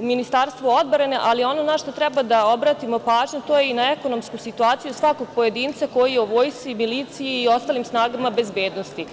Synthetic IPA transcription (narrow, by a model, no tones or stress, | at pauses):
minist̪aːɾst̪ʋood̪̚bɾeneʔalio̞nonaʃt̪o̞t̪ɾɛbad̪ao̞bɾaːt̪imo̞paːʒɲut̪o̞ːjeinaeko̞no̞mskusit̪uaːt̪sijusʋakoɡ̚po̞je̞d̪iːnt̪sako̞jijeuʋo̞ːjst̪ʋimiliːt̪sijiːo̞st̪aːlimsnaːɡamabe̞zbe̞ːd̪no̞st̪i